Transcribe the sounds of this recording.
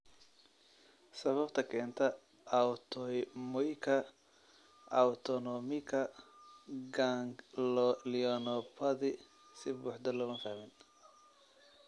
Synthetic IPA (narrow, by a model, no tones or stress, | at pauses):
sɐβɐbt̪ʰɐkʰɛːnt̪ʰɐ | wt̪ʰɔmɔjkʰɐ | ʔɐwt̪ʰɔnɔmɪkʰɐ | ɡaŋllɪɔnɔpʰɐðɪ | sɪbṵːħd̪ɐlɔɣɐnfahmɪn